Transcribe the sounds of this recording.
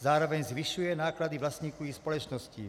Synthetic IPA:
zaːɾɔʋɛɲzʋiʃujɛnaːklad̪iʋlasɲiːkɔʊixspɔlɔt͡ʃnɔscḭː

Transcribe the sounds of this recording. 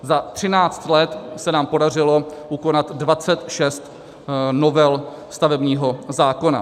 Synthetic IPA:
zat̪r̝̥ɪnaːt͡st̪lɛt̪sɛnaːmpo̞dar̝ɪlo̞ʔuko̞nat̪dvat͡sɛt̪ʃɛst̪ | novɛl | st̪avɛbɲiːɦo̞zaːko̞na̰

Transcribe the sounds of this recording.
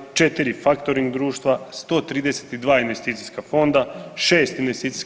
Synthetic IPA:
t͡ʃet̪iɾifakt̪oɾiŋɡd̪ɾuːʃt̪ʋast̪o̞ːt̪ɾiːd̪e̞se̥t̪id̪ʋaːinʋe̞st̪iːt̪iskafo̞nd̪aʃe̞ːst̪inʋest̪iːt̪si̥s

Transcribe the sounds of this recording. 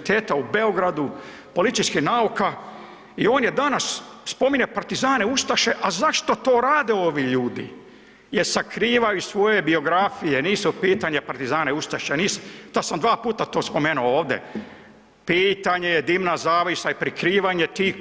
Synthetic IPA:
t̪eːt̪aubeoɡɾad̪u | po̞lit̪iskinauka | io̞ːnjed̪anasspo̞miɲepaɾt̪izaːne̞ust̪aʃe̞ʔazaʃt̪o̞t̪o̞ːɾaːd̪eo̞ʋiʎuːd̪ḭ | jeɾsakɾiːʋajusʋo̞je̞bio̞ɡɾafije̞niːsupiːt̪aɲepaɾt̪izaːneust̪aʃeniːst̪asamd̪ʋaːpuːt̪at̪o̞ːspo̞meːnuooːʋd̪jḛ | piːt̪aɲejed̪iːmnazaːʋisaipɾikɾiːʋaɲet̪iː

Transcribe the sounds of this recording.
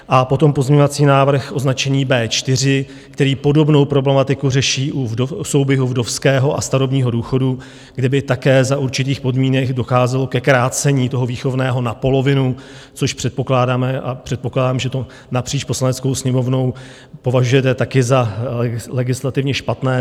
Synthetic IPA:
ʔapo̞t̪o̞mpo̞zɲeɲovat͡siːnaːvr̩xʔo̞znat͡ʃɛɲiːbɛːt͡ʃt̪ɪr̝ɪ | kt̪ɛɾiːpo̞do̞bno̞wpɾo̞blɛmat̪ɪkurɛʃiːʔuoso̞wbjɛɦuvdo̞fskɛːɦo̞ʔa̰st̪aɾo̞bɲiːɦo̞duːxo̞du | ɡdɛbɪt̪akɛːzaʔuɾt͡ʃɪt̪iːxpo̞dmiːnɛɡdo̞xaːzɛlo̞kɛkɾaːt͡sɛɲiːt̪o̞ɦo̞viːxo̞vnɛːɦo̞napo̞lo̞vɪnu | t͡so̞ʃpr̝̥ɛt̪po̞klaːdaːmɛʔapr̥ɛt̪̚po̞klaːdaːmʒɛt̪o̞ | napr̥iːt͡ʃpo̞slanɛt͡sko̞wsɲɛmo̞vno̞w | po̞vaʒujɛt̪ɛt̪akɪza | lɛɡɪslat̪ɪvɲɛʃpat̪nɛː

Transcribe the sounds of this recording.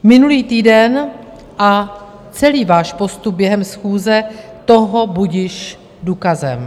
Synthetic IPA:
mɪnuliːt̪iːdɛn | ʔa | t͡sɛliːvaːʃpo̞st̪up̚bjɛɦɛmsxuːzɛt̪o̞ɦo̞buɟɪʃ | duːkazɛm

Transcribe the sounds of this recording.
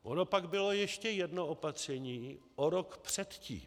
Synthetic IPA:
ʔono̞paɡbɪlo̞jɛʃcɛjɛdno̞opat̪r̝̥ɛɲiː | ʔoɾo̞kpr̥ɛt̪cḭː

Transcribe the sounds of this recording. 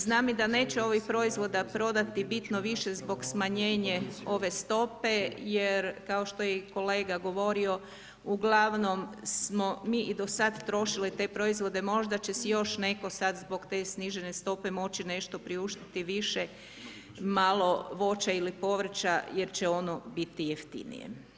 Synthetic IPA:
znaːmid̪ane̞ːt͡ɕeo̞ʋixpɾo̞izʋo̞d̪apɾo̞d̪at̪ibit̪noʋiʃezbo̞ɡsmaɲeːɲeo̞ʋe̞st̪o̞pe̞jeɾkao̞ʃt̪o̞jeko̞le̞ːɡaɡo̞ʋo̞ɾio̞ | uɡlˠaʋno̞msmo̞miːʔid̪o̞sad̪t̪ɾo̞ʃilit̪e̞ːpɾo̞izʋo̞d̪e̞mo̞ʒd̪at͡ɕe̞sijo̞ʃne̞ko̞sad̪zbo̞ɡt̪e̞sniʒene̞st̪o̞pe̞mo̞t͡ɕine̞ʃt̪o̞pɾiuʃt̪i̥t̪iʋiʃe | malˠo̞ʋo̞t͡ɕailipo̞ʋr̩t͡ɕaje̞ɾt͡ɕeo̞no̞bit̪ijeft̪ḭnḭjḛ

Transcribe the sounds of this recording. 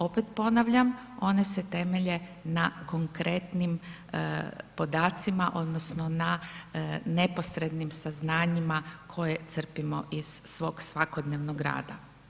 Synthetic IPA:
o̞pet̪po̞naʋʎam | o̞ne̞set̪e̞me̞ʎe̞nako̞ŋkɾe̞t̪nim | po̞d̪aːt̪simaʔo̞d̪nosno̞na | ne̞po̞sɾe̞d̪nimsaznaːɲimakʰo̞jet̪sr̩pimo̞̰ʔiz̥ːʋo̞ːɡsʋako̞d̪neːʋnoɡɾa̰ːd̪a̰

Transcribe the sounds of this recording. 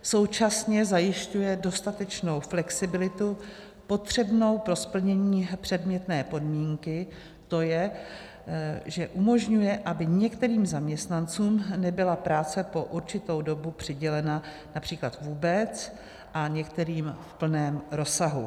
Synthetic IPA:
so̞wt͡ʃasɲɛzajɪʃcujɛdo̞st̪at̪ɛt͡ʃno̞wflɛksɪbɪlɪt̪u | po̞t̪r̝̥ɛbno̞wpɾo̞spl̩ɲɛɲiːpr̝̥ɛdmɲɛt̪nɛːpo̞dmiːŋkɪ | t̪o̞jɛ | ʒɛʔumo̞ʒɲujɛʔabɪɲɛkt̪ɛɾiːmzamɲɛst̪nant͡suːmnɛbɪlapɾaːt͡sɛpo̞ʔuɾt͡ʃɪt̪o̞wdo̞bupr̝̥ɪɟɛlɛna | napr̝̥iːklat̪vuːbɛt͡s | ʔaɲɛkt̪ɛɾiːmfpl̩nɛːmɾo̞saɦṵ

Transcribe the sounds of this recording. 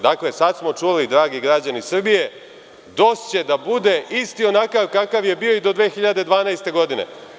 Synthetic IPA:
d̪akle̞sad̪smo̞t͡ʃulid̪ɾaːɡiɡɾaːd͡ʑanisr̩bije̞ | d̪o̞st͡ɕe̞d̪abud̪e̞ʔist̪io̞nakaʋkakaʋje̞bio̞id̪o̞d̪ʋe̞ːxiʎad̪e̞d̪ʋaːnajst̪e̞ɡo̞d̪ine̞̰

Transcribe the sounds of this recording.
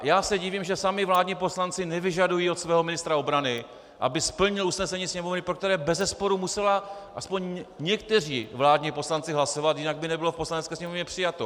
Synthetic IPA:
jaːsɛɟiviːmʒɛsamɪvlaːdɲipo̞slant͡sɪnɛvɪʒadujiːot̪svɛːɦomɪnɪst̪ɾao̞bɾanɪ | ʔa̰bɪspl̩ɲɪlusnɛsɛɲiːsɲɛmo̞vnɪpɾokt̪ɛɾɛːbɛzɛspo̞ɾumusɛlaʔaspo̞ɲɲɛkt̪ɛr̝ḭːvlaːdɲipo̞slant͡sɪɦlaso̞vat̪jɪnaɡ̚bɪnɛbɪlofpo̞slanɛtt͡skɛːsɲɛmovɲɛpr̥ɪjat̪o

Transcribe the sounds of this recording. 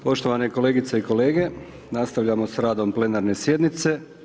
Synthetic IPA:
po̞ʃt̪oʋaneko̞le̞ːɡit̪seiko̞le̞ːɡe̞ | nast̪aʋʎamo̞sɾaːd̪omple̞naɾne̞sje̞d̪nit̪se̞

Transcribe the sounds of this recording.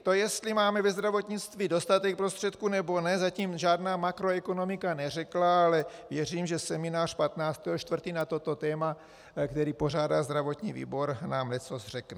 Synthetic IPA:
t̪o̞jɛst̪limaːmɛvɛzd̪ɾavo̞t̪ɲɪt͡st̪viːdo̞st̪at̪ɛk̚pɾost̪r̝̥ɛt̪kunɛbo̞nɛzaciːmʒaːdnaːmakɾoɛkono̞mɪkanɛr̝ɛklaalɛvjɛr̝iːmʒɛsɛmɪnaːr̥pat̪naːt͡st̪ɛɦoʃt̪vr̩t̪iːnat̪o̞t̪o̞t̪ɛːma | kt̪ɛɾiːpo̞r̝aːdalzd̪ɾavo̞t̪ɲiːvḭːbo̞ɾnaːmnɛt͡sosr̝ɛknɛ

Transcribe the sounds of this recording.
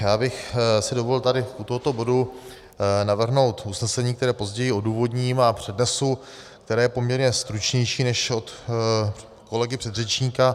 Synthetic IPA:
jaːbɪxsɪdo̞volt̪adɪut̪oɦo̞t̪o̞bo̞du | navr̩ɦno̞wt̪usnɛsɛɲiːkt̪ɛɾɛːpo̞zɟɛjɪo̞duːvo̞dɲimapr̝̥ɛdnɛsu | kt̪ɛɾaːjɛpo̞mɲɛɾɲɛst̪ɾut͡ʃɲɛjʃiːnɛʃot̪ | ko̞lɛɡɪpr̝̥ɛd̪rɛt͡ʃɲiːka

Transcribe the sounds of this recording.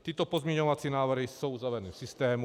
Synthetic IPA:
t̪iːt̪ɔpɔzmɲɛɲɔʋat͡siːnaːʋr̩ɦisoʊuzaʋɾɛniːfsist̪ɛːmu

